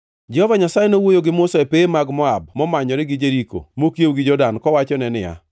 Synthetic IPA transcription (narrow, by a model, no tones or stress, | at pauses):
d͡ʒɛhɔvaɲasajenowojoɡɪmʊsɛepeːmaɡmɔab̚mɔmaɲɔɾɪɡɪd͡ʒeɾiko̰mokjewɡɪd͡ʒɔdankɔwat͡ʃɔnɛnɪa̰